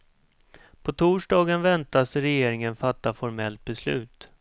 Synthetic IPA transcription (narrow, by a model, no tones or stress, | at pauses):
pʰɔt̪ʰuːʂɖɑːɡənvɛnt̪asɾɛjeːɾɪŋənfat̪ːafɔɾmɛlt̪̚bɛslʉ̟ːt̪